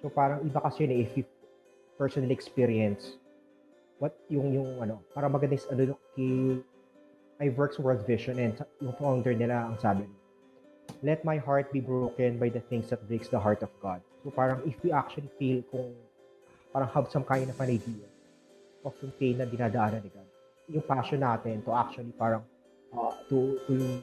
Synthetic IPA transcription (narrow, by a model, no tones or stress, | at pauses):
sopaːɾɐŋʔɪbakɐsɛjnɛɪfju | pɛɹsɔnɐliɛkspiɾiɛns | wɐt̪̚jʊŋjʊŋʔɐno̞paːɾɐŋmɐɡɐd̪ɛsɐnolokkɪ | ʔɐjvɛɹkswɛld̪vɪʃɔnɛ̃nsɐjʊŋfond̪ɛɹnɪlaɐŋsaːbɪn | lɛt̪̚majɦaɹt̪̚bibɹowkɛnbajd̪ɐθɪŋsd̪ɐt̪̚bɪɡsd̪ɐɦaɹt̪ɔfɡad̪̚sopaːɾɐŋɪfjuʔak̚t͡ʃʊɐlifilkʊŋ | paːɾɐŋhɐbsɐmkaːjɐnɐpɐnɐjd̪iːɐ | pɐfʊmt̪enːɐd̪ɪnaːd̪ɐʔaːnɐnɪɡa | jʊŋpaʃɔnːaːt̪ɪnt̪ʊʔak̚t͡ʃʊwɐlipaːɾɐŋ | ʔɐt̪ʊt̪ʊlʊj